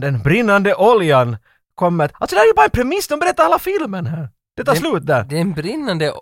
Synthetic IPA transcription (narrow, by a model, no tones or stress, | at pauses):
d̪ɛnbɾɪnːand̪əʔɔljan | kʰɔmːət̪a̰lsɔd̪ɛhæɾjʉbɑːɾaɛnpʰɾɛmɪsːd̪ɔmbɛɾɛt̪ːaɾheːlafɪlmənɦæːɾ | d̪̥ɛt̪ʰɑːslʉ̟ːt̪̚d̪æɾd̪ɛnbɾɪnːand̪ə